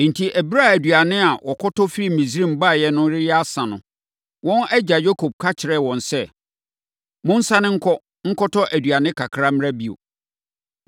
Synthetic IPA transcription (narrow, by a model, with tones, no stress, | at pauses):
n̩˨tʰi˨ʔæ˨bɾa˦˨æ˨dɥa˨nɪ̃˦a˨wʔɔ˨kʰɔ˦tʰɔ˦fi˦ɾi˦mĩ˨s̬ɾĩ˦˨m˨ba˦˨jɛ˦nʊ̃˦ɾɪ˦jɛ˦a˦sã˨nʊ̰̃˨ | wɔ̃˦nɛ˦d͡ʑa˨jo˦kʰo˨b̚kʰa˦t͡ɕʰɪ˨ɾɛ˦˨wɔ̃˨nsɛ˦˨ | mʊ̃˦n̩˦sa˦nɪ̃˦ŋ̩˦kʰɔ˦ | ŋ̩˦kʰɔ˦tʰɔ˦ʔæ˨dɥa˨nɪ̃˦kʰa˨kʰɾa˦m̃˦ɾa˦bi˦˨o̰˨